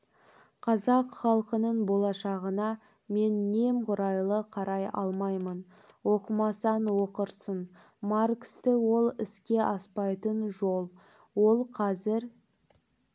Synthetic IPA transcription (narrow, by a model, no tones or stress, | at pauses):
qʰɑzɑqχɑlˠqənəɴbo̞lˠɑʃɑʁənɑ | me̞nːe̞mqʰʊɾɑjlˠəqʰɑɾɑjɑ̰lˠmɑjmən | wo̞qəmɑsɑnwo̞qəɾsən | markst̪ɪwo̞lˠɪskʲe̞ʔɑspɑjt̪ənʒo̞lˠ | wo̞lˠqʰɑzɪɾ